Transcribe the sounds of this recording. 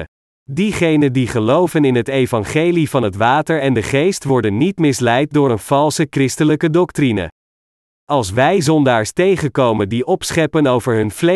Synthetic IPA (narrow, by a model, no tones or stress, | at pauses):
diχejnəndiχəlowvənɪnɦətejvɑnχejlivɑnɦətʋaːtəɹɛndəχejstʋɔɹdənːitmɪslɛjt̚dʊːɹənv̥ɑlˠsəkrɪstələkədɔktrinə̰ | ʔɑlˠsʋɛjzɔndaːɹstejχənkowməndiʔɔpsχɛpənowvəɹɦɵnvle